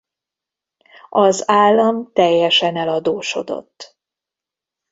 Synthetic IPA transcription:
ʔɒzaːlːɒmt̪ɛjːɛʃɛnɛlɒd̪oːʃo̞̰d̪o̞̰t̪ː

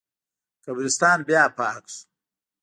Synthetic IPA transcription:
kabɾɪst̪ɑːnbjaːpɑːksu̥

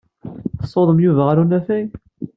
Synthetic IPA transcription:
θə̥sˤːoðˤəmjuvæʁaɾunæfæj

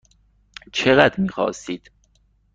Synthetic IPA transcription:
t͡ʃʰeɣæd̪ɾmiːxɒ̰ːsiːd̪̥

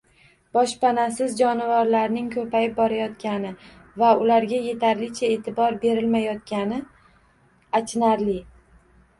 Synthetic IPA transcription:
b̥ɒʃpanasɪzd͡ʒɒnɪvaɾlaɾnɪŋkʲʰɵpʰajɪp̚bɒɾajɒt̪kʲanɪ | vaʊlaɾɡʲaje̞t̪ʰaɾlɪt͡ʃʰae̞ːt̪ʰɪbɒɾbe̞ɾɪlmajɒt̪̚kʲanɪ | at͡ʃnaɾlɪ

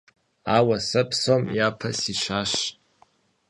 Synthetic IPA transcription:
awasɨpʰsomjapʰasit͡ʃʷʰaʃʼ

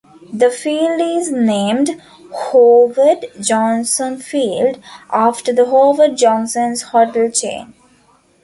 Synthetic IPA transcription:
d̪əfiːlɖɪznẽːmɖ | hoːʋəɖd͡ʒɔ̃ːnsə̃nfiːlɖʔaːfʈəɾd̪əɦoːʋəɖ̚d͡ʒɔ̃ːnsə̃nzhɔʈəlt͡ʃḛ̃ːn

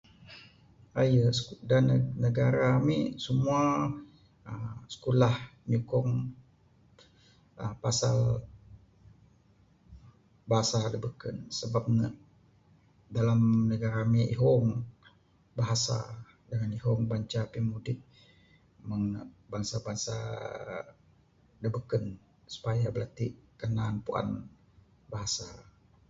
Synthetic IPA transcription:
ajəsdannəɡaɾaːmisəmua | əsə̥kulahɲukɔŋ | əpasal | baɦasaləbəkənsəbap̚nə | dalamnəɡaɾamiʔiɦɔŋ | baɦasa̰ | dəŋaniɦɔŋbaɲt͡ʃapimudɪk̚ | məŋbaŋsabaŋsa̰ | dəbəkən | su̥pajabəlat̪iʔkənanpua̰n | baɦasa

